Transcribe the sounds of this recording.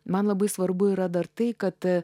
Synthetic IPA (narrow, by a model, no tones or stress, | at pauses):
mɐnlˠɐbɐɪsʋɐɾbʊɪɾɐd̪ɐɾt̪ɐɪkɐt̪